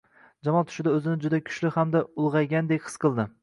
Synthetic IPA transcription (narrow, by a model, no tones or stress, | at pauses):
d͡ʒamɒnˠt̪ʰʊ̥ʃɪd̪aɵzɪnɪd͡ʒʊd̪akʲʰʊ̥ʃlɪhamd̪aʊlˠʁɑjɡʲand̪e̞kʲhɨ̥sqʰɨlˠd̪ɪ